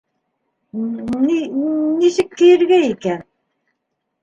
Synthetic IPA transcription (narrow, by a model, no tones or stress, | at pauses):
ninisɘkːɘ̆jɘ̆ɾɡæikæn